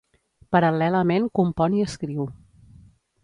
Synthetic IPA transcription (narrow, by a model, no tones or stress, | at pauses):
pəɾəlɛləmenkumpɔniəskɾiw